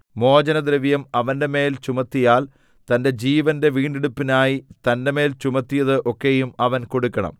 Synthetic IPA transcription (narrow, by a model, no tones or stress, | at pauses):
mo̞ːd͡ʑɐnɐd̪ɾɐʋjɐmɐʋɐnde̞me̞ːlt͡ɕumɐt̪ːijaːl | t̪ɐnde̞d͡ʑiːʋɐnde̞ʋiːɳɖeɽupːinaːjit̪ɐnde̞me̞ːlt͡ɕumɐt̪ːijɐðɨʔo̞kːe̞jumɐʋɐnko̞ɽukːɐɳɐ̰m